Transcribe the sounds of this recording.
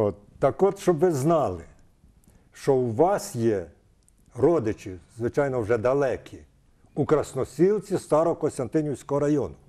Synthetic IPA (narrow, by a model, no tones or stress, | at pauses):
ɔt̪ɐkɔt̪ʃt͡ʃɔbʋɪznɑlˠɪ | ʃt͡ʃɔwʋɑsjɛ | ɾɔd̪ɪt͡ʃɪzʋɪt͡ʃɑjnɔwʒɛd̪ɐlˠɛkʲʰi | ukɾɐsnɔsʲilˠt͡sʲist̪ɑɾɔɔkɔnsʲt̪ɐnt̪ɪnʲjiwsʲkɔɦɔɾɐjɔnʊ